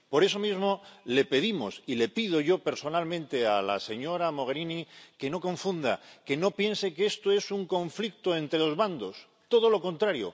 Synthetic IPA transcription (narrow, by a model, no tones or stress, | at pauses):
po̞ɾe̞so̞mizmo̞le̞pe̞ðimo̞̰sile̞pið̞o̞ʝo̞pe̞ɾso̞nalmẽnt̪e̞ala̰se̞ɲo̞ɾamo̞ɣeɾinike̞no̞ko̞ɱfund̪a̰ke̞no̞pje̞nse̞kee̞st̪o̞e̞suŋko̞ɱflik̚t̪oe̞nt̪ɾe̞lo̞zβand̪o̞s | t̪o̞ð̞o̞lo̞ko̞nt̪ɾaɾjo̞̰